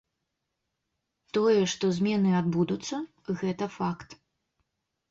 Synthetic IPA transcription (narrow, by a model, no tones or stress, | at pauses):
t̪ɔjɛʂt̪ɔzʲmʲɛnɨad̪̚bud̪ut̪sːɐ | ɣɛt̪ɐfakt̪